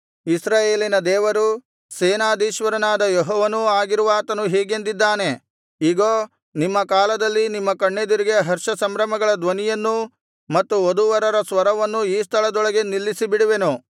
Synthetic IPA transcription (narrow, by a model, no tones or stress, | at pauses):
isɾaːjeːlinɐd̪ɛːʋɐɾu | seːnaːd̪iːʃʋɐɾɐnaːd̪ɐjɔɦɔːʋɐnuaːɡiɾuʋaːt̪ɐnuɦɛːɡe̞nd̪id̪ːaːne̞ | iːɡoː | nimːɐkaːlɐd̪ɐlːinimːɐkɐɳːed̪iɾiɡejɐɦɐɾʂɐsɐmɾɐmɐɡɐɭɐd̪ʋɐnijɐnːu | mɐt̪ːuod̪uʋɐɾɐɾɐsʋɐɾɐʋɐnːuiːst̪ʰɐɭɐd̪ɔɭɐɡe̞nilːisibiɽuʋe̞nu